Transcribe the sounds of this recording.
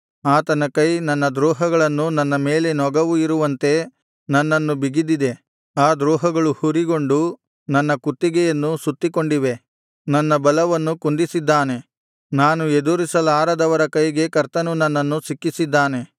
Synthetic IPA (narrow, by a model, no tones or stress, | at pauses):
aːt̪ɐnɐkɐjnɐnːɐd̪ɾɔːɦɐɡɐɭɐnːunɐnːɐme̞ːle̞nɔɡɐʋuiɾuʋɐnt̪e̞ | nɐnːɐnːubiɡid̪id̪e̞ | aːd̪ɾuːɦɐɡɐɭuhuɾiɡo̞ɳɖu | nɐnːɐkut̪ːiɡɛjɐnːusut̪ːiko̞ɳɖiʋe̞ | nɐnːɐbɐlɐʋɐnːukund̪isid̪ːaːne̞ | naːnued̪uɾisɐlaːɾɐd̪ɐʋɐɾɐkɐjɡe̞kɐɾt̪ɐnunɐnːɐnːusikːisid̪ːaːne̞